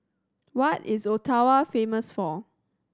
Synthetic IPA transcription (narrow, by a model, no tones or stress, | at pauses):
wɔtɪsotʰawafẽməsfɔ